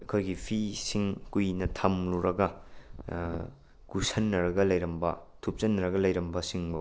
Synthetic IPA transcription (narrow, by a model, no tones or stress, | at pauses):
ɐkʰojɡipʰisiŋkujnɐtʰɐmluɾɐɡɐ | kusɐnːɐɾɐɡɐlɐjɾɐmbɐ̰tʰup̚t͡ʃɐnːɐɾɐɡɐlɐjɾɐmbɐsiŋbɐ